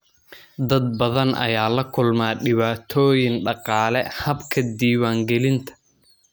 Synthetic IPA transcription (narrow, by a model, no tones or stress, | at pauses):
d̪ɐd̪̚bɐðɐnʔɐ̰jaːlɐkʰʊlmaːɗɪβaːt̪ʰɔːjɪŋɖɑqɑːlɛhɐbkʰɐd̪iːwaːŋɡɛlɪnt̪ʰɐ̥